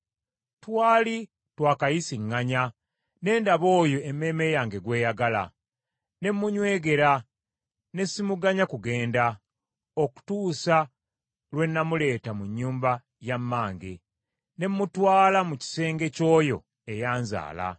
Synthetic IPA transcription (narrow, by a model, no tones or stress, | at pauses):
twaːli | twaːkajisiŋːaɲa | ne̞ːndaβo̞ːjo̞ʔemːe̞ːme̞jaːŋɡe̞ɡwe̞ːjaɡala̰ | ne̞mːuɲwe̞ːɡe̞ɾa | ne̞simuɡaɲakuɡe̞ːnda | o̞ku̥tuːsa | lwe̞nːamule̞ːtamuɲːuːmba | jamːaːŋɡe̞̰ | ne̞mːutwaːlamuci̥se̞ːŋɡe̞co̞ːjo̞̰ | e̞jaːnza̰ːla̰